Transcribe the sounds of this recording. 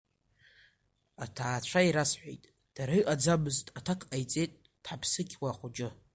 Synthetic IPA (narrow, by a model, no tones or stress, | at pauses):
atʰaːt͡ɕʷʰaiɾasħʷejtʼ | d̥aɾiʔad͡zabɨztʼatʰakʰʼajt͡sʼejtʼ | d̥ħapʰsɨkʲʰʼwaχʷʊd͡ʒʼɪ